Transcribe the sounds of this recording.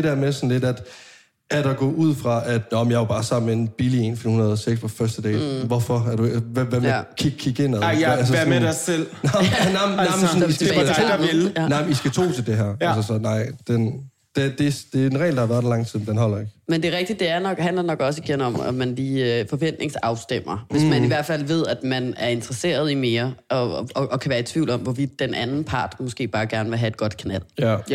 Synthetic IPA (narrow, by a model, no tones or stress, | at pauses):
ded̥æɐmesɒ̽nle̝d̥æd̥ | ʔæd̥ɒɡ̥ɔ̰uð̞̰ˠfʁɑ̈æd̥nɒmjɑ̈ɪʋɑɐb̥ɑ̈ːsɑ̈m̰n̩mːeenb̥ilie̝nfemhunɐð̞̩ˠseɡ̥spʰɒfɶɐsd̥əd̥ɛ̰ːʋɒfɒ̽æɐd̥uʋʋæmekʰi̥kʰiɡ̥en̰æðælsəmedasel̰nɑnaɪaɪmnsnisæ̥eelnɑɪmnisɡ̥æt͡sʰo̝̰ːt͡sʰe̝ld̥e̝ɦæɐ̰æsəsɒ̽nɑ̈ɪ̰d̥en | d̥ed̥e̝sd̥e̝enʁɛ̰ɪld̥ɑhɑ̈ʋæɐd̥lɑ̈ŋt͡sʰið̰ˠd̥enɦɒ̽l̰ɐe̝ɡ̥mend̥e̝ʁɛɡ̥̚d̥id̥d̥e̝æɐnɒ̽ɡ̥ɦændlɐnɒ̽ɡ̥ɒ̽siɡ̥enɒ̽mæ̰mænliːfɒ̽ʋen̰d̥ne̝ŋsɑ̈ʊsd̥em̰ɐʋesmæniʋæɐ̰d̥fæl̰ʋe̝ð̞̰ˠæd̥mænæɐe̝nd̥ʁɐse̝̰ːɐð̞ˠime̝ːɐʔɒ̽ʔɒkʰæʋæːɐet͡sʰʋḭʊ̰lɒ̽mʋɒʋid̥ːenʔænn̩pʰɑ̈ːd̥mɔsɡ̥e̝̰ːb̥ɑ̈ːɡ̥æɐnəʋe̝ɦæe̝d̥̚ɡ̥ɒ̽d̥kʰænæl̰